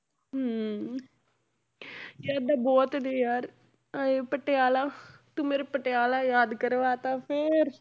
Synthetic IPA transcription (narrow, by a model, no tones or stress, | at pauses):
ɦ | jaːd̪aːbɔːt̪d̪eːjaːɾ | eːpəʈːeaːlaːt̪umeːɾepəʈeaːlaːjaːd̪kəɾʋaːt̪ãːpʰɪɾ